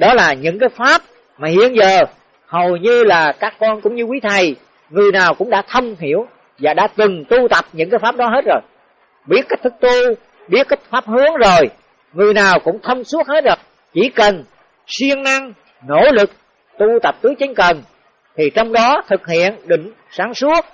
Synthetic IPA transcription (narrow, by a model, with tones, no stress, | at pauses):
ɗɔ˨˦laː˨˩ɲɨ̰˧˥ŋkaː˨˦jfaː˦˥p̚ | maː˨˩hḭ˧˨ənzəː˨˩ | hə˨˩wjɲɨ˧laː˨˩kaː˦˥kːɔ˧nkʊ̰˧˥ŋ͡mɲɨ˧kwi˨˦t̪ʰə˨˩j | ŋɨ˨˩əjnaː˨˩wkʊ̰˧˥ŋ͡mɗa̰ː˧˥t̪ʰə˧wŋ͡mɦi˧˩˨əw | vaː˨˩ɗa̰ː˧˥t̪ɨ˨˩ŋt̪u˧t̪ə˨˩p̚ɲɨ̰˧˥ŋkaː˨˦jfaː˦˥p̚ɗɔ˨˦ɦe˦˥t̚zo˨˩j | ɓi˦˥ətkːa˦˥k̚t̪ʰɨ˦˥k̚t̪u˧ | ɓi˦˥ət̚kːi˦˥k̚faː˦˥p̚hɨ˨˦əŋzo˨˩j | ŋɨ˨˩əjnaː˨˩wkʊ̰˧˥ŋ͡mt̪ʰə˧wŋ͡msu˦˥ək̚he˦˥t̚zo˨˩j | t͡ɕi˧˩kə˨˩n | swi˧əŋna˧ŋ | no̰˧˥lɨ˨˩k̚ | t̪u˧t̪ə˨˩p̚t̪ɨ˨˦t͡ɕə˨˦ŋ̟kə˨˩n | t̪ʰi˨˩t͡ɕɔ˧wŋ͡mɗɔ˨˦t̪ʰɨ˨˩k̚hḭ˧˨ənɗï˧˩˨ŋ̟ | saː˨˦ŋsu˦˥ət̚